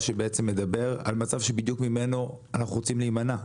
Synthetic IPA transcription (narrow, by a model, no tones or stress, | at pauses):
ʃebeet͡semːe̞d̪abe̞ʁa̰lmat͡savʃebid̪jukmime̞no | anaχuʁot͡simliimana